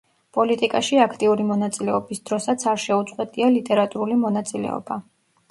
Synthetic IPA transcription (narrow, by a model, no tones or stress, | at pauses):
pʼɔlit̪ʼikʼaʃiakʰt̪ʼiuɾimɔnat̪sʼilɛɔbisd̪ɾɔsat̪sʰaɾʃɛut̪sʼqwɛt̪ʼialit̪ʼɛɾat̪ʼuɾulimɔnat̪sʼilɛ̰ɔ̰ba